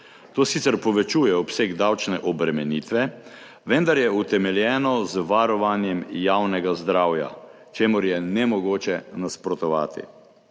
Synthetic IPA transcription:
t̪oːsit̪sɛɾpɔʋɛt͡ʃuːjɛɔpseːɡd̪awt͡ʃnɛʔɔbɾɛmɛniːt̪ʋɛ | ʋɛnd̪aɾjɛut̪ɛmɛljɛːnɔzʋaɾɔʋanjɛmjawnɛɡazd̪ɾawja̰ | t͡ʃeːmʊɾjɛnɛmɔɡoːt͡ʃɛnaspɾɔt̪ɔʋa̰ːt̪ḭ

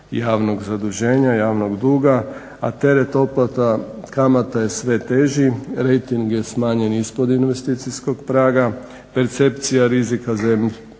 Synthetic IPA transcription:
jaːʋno̞ɡzad̪uʒe̞ːɲajaːʋnoɡd̪uːɡa | at̪e̞ɾet̪o̞plat̪akamat̪aje̞sʋe̞t̪e̞ːʒiɾejt̪iŋɡje̞smaːɲe̞nispod̪inʋe̞st̪it̪sisko̞ɡpɾaːɡa | pe̞ɾt̪se̞pt̪sijaɾizikazemʎ

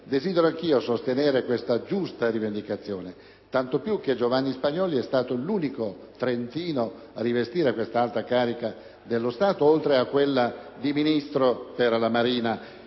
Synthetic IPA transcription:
d̪eziːd̪eɾoaŋk̟iːosost̪eneːɾekwest̪ad͡ʒust̪aɾivend̪ikat̪sːjoːne | t̪ant̪opjuk̟ːed͡ʒovanːispaɲːɔːliɛst̪aːt̪oluːniko | t̪ɾent̪iːno | arːivest̪iːɾekwest̪aalt̪ɾakaːɾika | d̪elːost̪aːt̪oolt̪ɾeakːwelːad̪iminist̪ɾoperlamaɾiːna

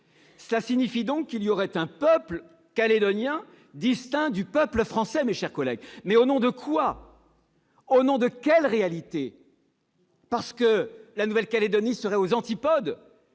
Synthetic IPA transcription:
səlasiɲifid̪ɔ̃kːiliɔʁɛt̪ɛ̃pœpl | kaled̪ɔnjɛ̃ | d̪ist̪ɛ̃d̪ypœpləfχɑ̃sɛmeʃɛʁkɔlɛ̰ɡmɛonɔ̃d̪əkʰwa | onɔ̃d̪əkʲɛlʁealit̪e | paʁsə̥kəlanuvɛlkaled̪ɔnisəʁɛozɑ̃t̪ipɔd̪

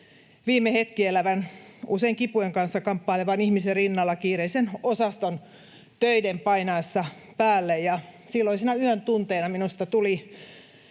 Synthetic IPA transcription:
ʋiːmːehet̪kielæʋænuseiŋkipujeŋkɑnsːɑkɑmpːɑˑileʋɑnihmiserrinːɑlːɑkiːreisenosɑst̪on | t̪øidempɑinɑesːɑ | pæːlːejjɑ | silːoisiːnæyønt̪unt̪eːnɑminust̪ɑt̪uli

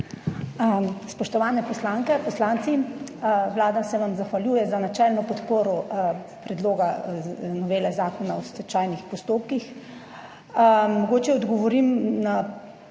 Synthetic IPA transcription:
spɔʃt̪ɔʋaːnɛpɔslaːŋkɛpɔslant̪si | ʋlaːd̪asɛʋamzaxʋaljuːjɛzanat͡ʃɛlnɔpɔt̪poːɾɔ | pɾɛd̪loːɡanɔʋeːlɛzaːkɔnaɔsɛt͡ʃaːjnixpɔst̪oːp̚kix | mɔɡoːt͡ʃɛɔd̪ɡɔʋɔɾimna

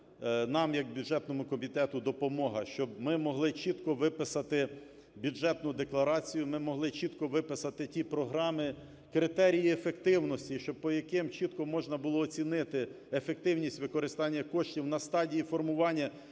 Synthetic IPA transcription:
nɑmjɐkbʲudʒɛt̪nɔmʊkɔmʲit̪ɛt̪ʊd̪ɔpɔmɔɦɐʃt͡ʃɔbmɪmɔɦlˠɪt͡ʃit̪kɔʋɪpɪsɐt̪ɪ | bʲuʒɛt̪nʊd̪eklˠɐɾɑt͡sʲijʊmɪmɔɦlˠɪt͡ʃit̪kɔʋɪpɪsɐt̪ɪtʲipɾɔɦɾɑmɪ | kɾɪt̪ɛɾʲijiefekt̪ɪwnɔsʲtʲiʃt͡ʃɔbpɔjɐkɪmt͡ʃit̪kɔmɔʒnɐbʊlˠɔːt͡sʲinɪt̪ɪ | efek̚t̪ɪwnʲisʲtʲʋɪkɔɾɪst̪ɑnʲːɐkɔʃtʲiwnɐst̪ɑdʲijifɔrmʊʋɑnʲːɐ

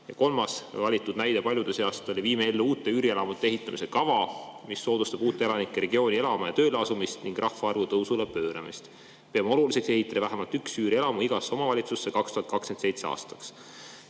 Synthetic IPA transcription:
jɑko̞lmɑsvɑlʲit̪ːˑud̪næjd̪epɑlʲjud̪eseɑst̪o̞liviːmeelːuuːt̪ːˑe̞yːɾie̞lɑmut̪ːˑeeɦit̪ːˑɑmise̞kɑvɑmisːo̞ːd̪ust̪ɑb̥uːt̪ːˑeelɑnikːˑeɾe̞ɡ̥io̞ːnʲie̞lɑmɑjɑ̰t̪ø̞ːleɑsumist̪niŋɡ̥rʔɑhfɑɑrvut̪ɤwsulepø̞ːɾɑ̰mist̪ | peɑmɑo̞lulise̞kse̞ɦit̪ːˑɑd̪ɑvæɦæmɑlt̪yksyːɾie̞lɑmuiɡ̥ɑso̞mɑvɑlʲit̪susːe̞kɑkst̪uhɑt̪̚kɑkskese̞jt̪se̞ɑ̰ːst̪ɑ̥ks

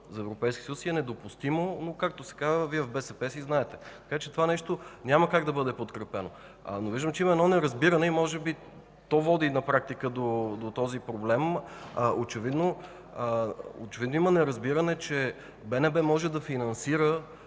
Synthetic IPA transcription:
zɐɛvɾopɛjskʲi̥səjusiɛnɛd̪opʊst̪imonokak̚t̪osɛ̥kazəviɛvbɛsɛpɛsiznaɛt̪ɛ̥t̪ɐ̥kat͡ʃɛt̪ovanɛʃt̪onʲaməkaɡd̪ɐbɤd̪ɛpot̪kɾɛpɛno̰ | noviʒd̪əmt͡ʃɛiməɛd̪ɔnɛɾɐzbiɾənɛimɔʒɛbi | t̪ɔvɔd̪inɐpɾak̚t̪ikəd̪od̪ot̪ɔzipɾoblɛmʔot͡ʃɛvid̪no | o̰t͡ʃɛvid̪noimənɛɾɐzbiɾənɛt͡ʃɛ | bɛnɛbɛmɔʒɛd̪ɐfinɐnsiɾə

